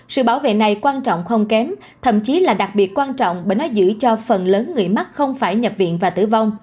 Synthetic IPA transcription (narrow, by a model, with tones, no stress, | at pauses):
sɨ̰˧˨ɓaː˧˩wvḛ˧˨na˨˩jkwaː˧nt͡ɕɔ̰˧˨wŋ͡mxə˧wŋ͡mkɛ˨˦m | t̪ʰə̰˧˨mt͡ɕi˨˦laː˨˩ɗa˨˩k̚ɓi˨˩ət̚kwaː˧nt͡ɕɔ̰˧˨wŋ͡mɓeː˧˨jnɔ˨˦zɨ̰˧˥t͡ɕɔ˧fə˨˩nləː˨˦nŋɨ˨˩əjma˦˥t̚xə˧wŋ͡mfaː˧˩jɲə˨˩p̚vḭ˧˨ənvaː˨˩t̪ɨ̰˧˩va˧wŋ͡m